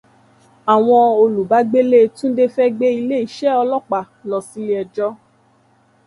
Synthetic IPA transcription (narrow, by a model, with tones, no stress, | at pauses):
a˨w̃ɔ̃˧o˧lu˨ba˨˦ɡ͡be˦le˦tũ˦de˦˧fɛ˦ɡ͡be˦i˧le˦i˦˨ʃɛ˦ɔ˧lɔ˦k͡pa˨lɔ˨si˨˦li˦ɛ˧d͡ʒɔ˦